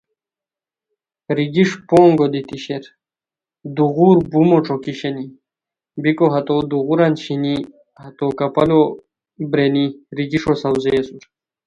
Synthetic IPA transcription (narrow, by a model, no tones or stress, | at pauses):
ɾiɡiʂpoːŋɡod̪it̪iɕeɾ | d̪uɣuɾbumoʈ͡ʂokiɕeni | bikoɦɐt̪od̪uɣuɾanɕini | hɐt̪okɐpɐlo | bɾeniɾiɡiʂosɐwzeːsuɾ